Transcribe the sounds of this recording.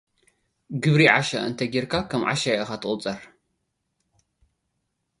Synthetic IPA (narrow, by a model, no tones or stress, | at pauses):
ɡɨβɾiʕaʃɐ̰ʔɨ̰nt̪ʰɐɡiɾkʰakʰɐmʕa̰ʃɐjɨxat̪ʰɨχʼʊt͡sʼɐɾ